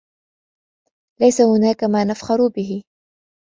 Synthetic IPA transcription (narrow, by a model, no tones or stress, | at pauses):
lajsahʊnaːkamaːnafxɑɾʊbɪɦɪ